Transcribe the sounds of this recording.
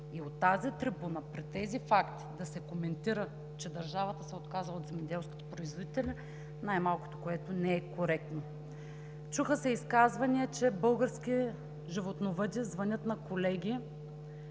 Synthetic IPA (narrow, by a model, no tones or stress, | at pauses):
iot̪ːazit̪ɾibunəpɾit̪ːɛzifakt̪i̥d̪ɐsɛkomɛnt̪iɾə | t͡ʃɛd̪ɐɾʒavət̪əsɛot̪kazˠot̪zɛmɛd̪ɛlˠsko̥t̪o̥pɾoizvod̪it̪ɛlʲɛ | najmalˠko̥t̪okoɛt̪onɛɛkoɾɛk̚t̪no | t͡ʃuxəsɛiskazvɐniɛt͡ʃɛbɤlˠɡəɾsk̟ʲi | ʒivot̪novəd̪ʲiəzvɐnʲɤt̪nɐkolɛɡʲi